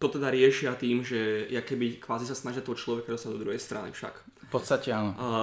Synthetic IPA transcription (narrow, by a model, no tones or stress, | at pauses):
t̪ɔt̪ɛd̪aɾɪɛʃɪat̪iːmʒɛjakɛbikʋaːzisasnaʒɪat̪ɔɦɔt͡ʃlɔʋɛkad̪ɔst̪ad̪ɔd̪ɾuɦɛjst̪ɾa̰nḭfʃa̰k | pɔt̪st̪acɛanɔ